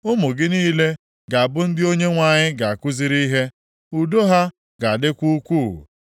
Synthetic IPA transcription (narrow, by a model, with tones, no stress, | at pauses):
ʊ˦mʊ˨ɡɪ˦niː˦le˦ | ɡa˨a˨bʊ˦n̩˦dɪ˦o˦ɲe˦ŋʷa˦˨ɲɪ˦ɡa˨a˨kʷʊ˦zi˦ɾi˦ɦe˦ | u˨do˦ɦa˦ | ɡa˨dɪ˦kʷu˦kʷṵ˦˨